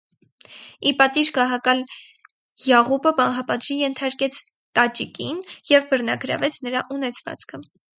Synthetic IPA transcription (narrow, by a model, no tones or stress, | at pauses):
ipɑt̪iʃɡɑɦɑkɑl | jɑʁupəpɑnɦɑpɑt̪ʒijɛnt̪ʰɑɾkɛt͡sʰ | t̪ɑt͡ʃikinjɛvbərnɑɡɾɑ̰vɛt͡sʰnəɾɑʔunɛt͡sʰvɑ̰t͡skʰə